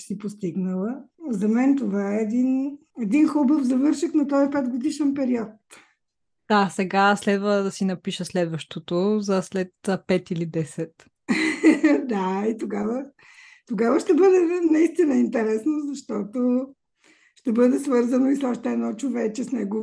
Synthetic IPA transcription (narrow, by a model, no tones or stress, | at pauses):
sipost̪iɡnəlˠəzɐmɛnt̪ovaɛːd̪inɛd̪inxɔbəfzɐvɤɾʃixnɐt̪ɔjipɛt̪ɡod̪iʃɛnpɛɾiɔt̪ | d̪̥asɛɡaslɛd̪vəd̪ɐsinɐpiʃəslɛd̪vəʃt̪ot̪ozɐslɛt̪pɛt̪ilid̪ɛsɛt̪ | d̪ait̪oɡavə | t̪oɡavəʃt̪ɛbɤd̪ɛnɐist̪inəint̪ɛɾɛsnozɐʃt̪ɔt̪o | ʃt̪ɛbɤd̪ɛsvɤɾzənoisɔʃt̪ɛːnɔt͡ʃovɛt͡ʃɛsnɛɡo